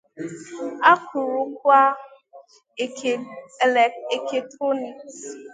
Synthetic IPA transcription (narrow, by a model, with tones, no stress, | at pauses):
a˦ku˨ɾʊ˦k̚ʷa˦˨ | e˨ke˨tɾo˦ni˨kss